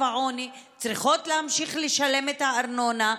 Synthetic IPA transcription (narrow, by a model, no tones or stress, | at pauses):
aʕonit͡sʁiχo̞tlehamʃiχleʃale̞met̪haːɾnona